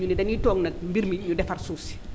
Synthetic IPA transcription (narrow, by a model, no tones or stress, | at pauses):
ɲunidɛnjitɔːŋnɐk̚mbiɾmiiɲudɛfarsuːsi̥